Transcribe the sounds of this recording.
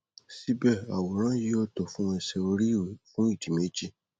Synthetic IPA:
si˦bɛ˦˨a˨wo˨ɾ̃ã˦ji˦ɔ˧tɔ˨fũ˦ɔ̃˧sɛ˧o˧ɾi˦˨fũ˦i˦˨ti˨me˨˦d͡ʒi˦

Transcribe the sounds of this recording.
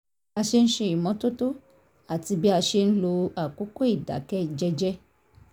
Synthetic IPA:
a˨ʃe˦n̩˦ʃe˨i˨mɔ̃˦t̪o˦to˦ | a˨ti˨bi˦a˨ʃe˦n̩˦lo˦a˨ko˦kɔ˦i˨da̰˨kɛ˦d͡ʒɛ˦d͡ʒɛ˦

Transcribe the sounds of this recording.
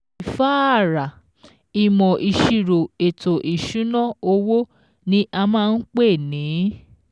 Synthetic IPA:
i˨fa˦a˦˨ɾa˨ | i˨mɔ̃˨ʔi˨ʃi˨ɾo˨e˨to˨ʔi˨ʃũ˨˦nɔ̃˦˨o˧wo˦ | nĩ˦ʔa˧mãː˦˧n̩˦k͡pe˦˨nĩ˨˦

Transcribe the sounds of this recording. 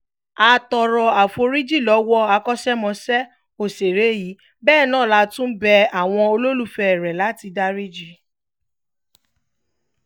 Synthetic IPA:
a˧tɔ˧ɾɔ˧a˨fo˧ɾi˦d͡ʒi˦˨lɔ˨˦wɔ˦a˧kɔ˦ʃɛ˦mɔ̃˧sɛ˦ | o˨se˨ɾe˨˦ji˨˦ | bɛː˦˨nãː˦˨la˧˦tũ˦bɛ˧a˨w̃ɔ̃˧o˧lo˦lu˦fɛ˧ɛ˨ɾɛ˨la˨˦ti˧da˦ɾi˦d͡ʒi˦

